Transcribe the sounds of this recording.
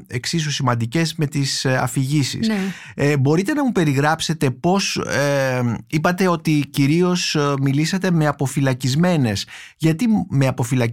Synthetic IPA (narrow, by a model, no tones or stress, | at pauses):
eksis̬usimɐnd̪ice̞zme̞t̪isɐ̰fiʝisḭsbo̞ɾit̪e̞nɐmupe̞ɾiɣɾɐpse̞t̪e̞po̞s | ipɐt̪e̞o̞t̪iciɾio̞smilisɐt̪e̞me̞ɐpo̞filɐcizme̞ne̞s | ʝɐt̪imeɐpo̞filɐ